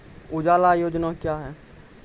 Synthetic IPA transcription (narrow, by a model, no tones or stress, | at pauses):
ʊd͡ʒaːlajoːd͡ʒnakjaːɦɛː